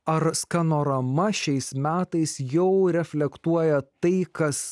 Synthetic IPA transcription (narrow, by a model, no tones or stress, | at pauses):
ɐɾskɑnoːɾɐmɐʃʲɛɪsmʲæːt̪ɐɪsjɛʊɾʲɛfʲlʲɛkt̪uɔjɛt̪ɐɪkɐs